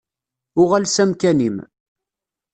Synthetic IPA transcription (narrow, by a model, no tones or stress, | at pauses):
ʊʁælsæmkænim